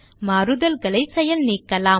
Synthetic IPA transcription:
mɐɾɯðɐlɡɐlɐɪsɐjɐlniːkːɐlaː

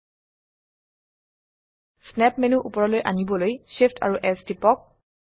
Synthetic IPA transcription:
snɛpmenuʔupɔɹɔlojʔa̰nibɔlojsefʰtʰa̰ɹuʔɛstipɔk̚

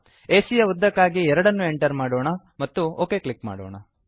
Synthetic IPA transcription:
eːsijɐud̪ʱːɐkːaːɡiɛɾɐɽɐnːue̞ɳʈɐɾmaːɽoːɳɐ | mɐt̪ːuoːke̞ːkɭikma̰ːɽo̰ːɳɐ

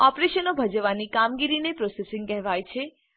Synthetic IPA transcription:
ɔpɾeʃənobʱəd͡ʒəʋanikamɡiɾinepɾosesɪ̃ŋɡkɛɦʋajt͡ʃʰe

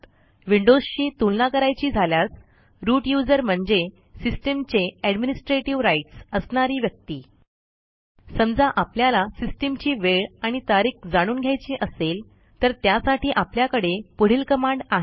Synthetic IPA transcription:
ʋiɳɖod͡zɕiːt̪ulnakəɾajt͡ɕiːd͡zʱaljat͡s | ɾuʈjud͡zəɾm̤əɳd͡ze | sisʈəmt͡ɕeɛɖminisʈɾeʈiʋɾaiʈsəsɳaɾiːʋjək̚t̪iː | səmd͡zaʔapljalasisʈəmt͡ɕiːʋeɭaɽ̃it̪aɾiːkd͡zaɽ̃uːnɡʱjajt͡ɕiːʔəsel | t̪əɾt̪jasaʈʰiːʔapljakəɽepəɽ̤iːlkəmaɳɖaɦe

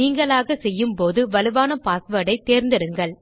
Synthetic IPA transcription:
niːŋɡɐɭaːɣɐsɛjːɯmpoːðɯʋɐlɯʋaːnɐpaːsʋɐɽɐɪt̪ːeːɾnd̪ɪɽɯŋɡɐɭ

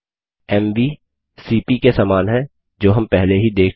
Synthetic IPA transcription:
ɛːmʋiː | siːpikesaːmaːnɦɛ̃ | d͡ʒoːɦɐ̃mpɛɦleɦid̪eːkʰ

